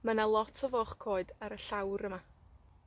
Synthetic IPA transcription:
mənalˠɔtʰɔvɔχkʰoːɨdaɾəɬawɾəma

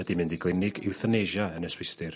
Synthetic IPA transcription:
ədimɪndiɡlˠɪnɪɡɪwθəneʒaənəswɪstɪr

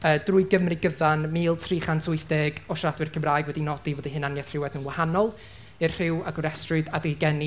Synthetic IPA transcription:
əːdrʊɨɡəmriɡəvanmiːlˠtʰriːχantʰʊɨθd̥eɡɔʃradwɨrkʰəmraːjɡwɛdinɔdivɔːdiɦɨnanjaθr̥ɪwɛdnənwahanɔlˠ | ɪrr̥ɪwaɡʊɾɛstrʊdadɪɡɛni

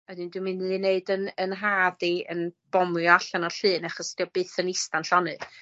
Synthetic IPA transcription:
ɛdɨndwɨmɪnɨneɨdənənɦaːdiə̰nb̥ɔmɔaɬanɔɬɨːnaχɔsd̥iɔb̥ɨːθənistanɬɔnɨ

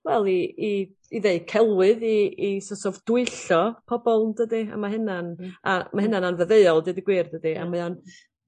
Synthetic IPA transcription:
wɛlˠiiː | ðeɨkʰɛlˠwɨðiːsɔsɔvd̥ʊɨɬɔpʰɔbɔlˠndədia̰maɦɪnanamahɦɪnananvəðeɨɔlˠdɨdiɡwiːrdədia̰majan

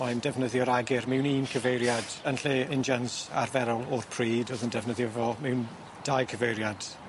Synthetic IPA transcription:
mandɛvnəðjɔɾaɡɪrmɛwniːnkʰəvejɾjad̥ənɬeɪnd͡ʒansa̰rvɛɾɔlˠɔrpʰr̥iːdoðəndɛvnəðjɔvɔmɛwn | d̥ajkʰəvejɾjad̥

